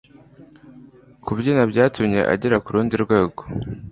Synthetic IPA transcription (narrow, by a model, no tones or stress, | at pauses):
kubɟinabɟaːtumɲe̞̰ʔa̰ɟeɾakuɾuːndiɾɡwe̞ːɡo̞